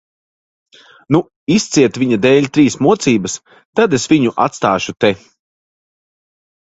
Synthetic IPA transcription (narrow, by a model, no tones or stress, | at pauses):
nu | ist̪siɛt̪viɲad̪ɛːlʎʲt̪ɾiːsmuɔt̪siːbɐs | t̪ad̪esviɲuʔa̰t̪st̪aːʃut̪e